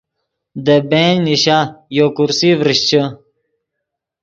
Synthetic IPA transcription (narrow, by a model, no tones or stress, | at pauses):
d̪ebenniɕajokuɾsivɾiɕt͡ɕʰə